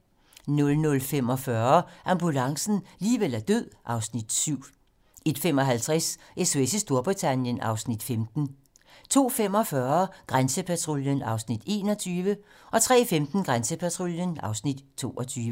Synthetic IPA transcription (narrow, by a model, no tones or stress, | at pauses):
nɔ̽lnɔ̽lfem̰ɒ̽fɶɐʔɑ̈mb̥ulɑ̈ŋsn̩liːʋel̰æɐd̥øð̰ˠʔɑ̈ʊsnid̥syʊ̰ | e̝d̥femɒ̽ɦælt͡sʰʁɛsʔesesəsd̥o̝ɐb̥ʁit͡sʰænjənɑ̈ʊsnid̥femd̥n̩ | t͡sʰo̝̰ːfem̰ɒ̽fɶɐɡ̥ʁansəpʰæt͡sʰʁo̝ljənɑ̈ʊsnid̥e̝̰ːnɒ̽t͡sʰyːʋə | ʔɒ̽t͡sʰʁɛ̰ːfemd̥n̩ɡ̥ʁansəpʰæt͡sʰʁo̝ljənɑ̈ʊsnid̥t͡sʰo̝̰ːʔɒ̽t͡sʰyːʋə